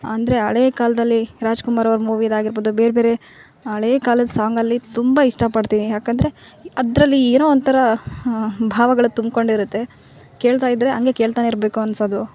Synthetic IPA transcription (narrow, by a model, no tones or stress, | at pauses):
ɐnd̪ɐɾe̞ɐɭeːkaːlɐd̪ɐlːiɾaːd͡ʒkumaːɾɐʋɐɾɐmuːʋid̪aːɡiɾboːd̪ube̞ːɾebe̞ːɾe̞ | ɐɭeːkaːlɐd̪ɐsaːŋɡɐlːit̪umbaiʂʈɐpɐɖt̪iːnijaːkɐnd̪ɐɾe̞ɐd̪ɾɐlːieːnoːɐnt̪ʰɐɾɐ | bʱaːʋɐɡɐɭut̪umko̞ɳɖiɾut̪ːe̞ | ke̞ːɭt̪aːjid̪ɾeɐŋɡe̞ke̞ːɭt̪aːneiɾbe̞ːkuɐnsoːd̪u